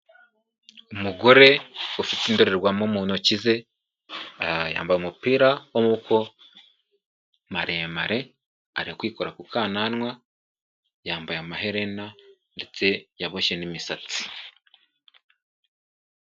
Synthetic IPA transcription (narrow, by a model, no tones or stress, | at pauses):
umuɡo̞ɾe̞ufitimdeɾeɾɡwamomuːnocize̞ | ja̰ːmbajumupiːɾawomukʰo̞ | maɾeːmaɾe̞ | a̰ɾihokwiːkoɾakukaːnanŋwa | jaːmbajamaɦe̞ɾe̞na | nde̞t͡se̞jaβoʃenimisat͡si̥